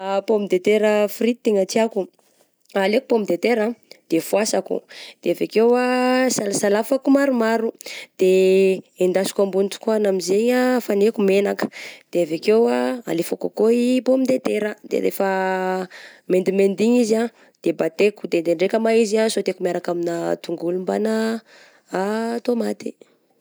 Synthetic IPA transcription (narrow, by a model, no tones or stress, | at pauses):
pomid̪et̪eɾəfɾit̪it̪eŋatiaku | aleku̥pomid̪et̪eɾad̪̥efuasakṵd̪̥eavekewasalasalafakumaɾumaɾud̪̥eend̪asi̥kambuniʈ͡ʂu̥kanamizeɲafanekumenakə̥d̪̥eavekewaa̰lefaka̰koibomind̪et̪eɾəd̪̥ḛɾḛfə | mend̪imend̪iɲiza | d̪̥ebat̪eku̥d̪end̪eɳɖ͡ʐekəmaiziasot̪ekumiaɾakaminat̪uŋɡulumbana | at̪omat̪i̥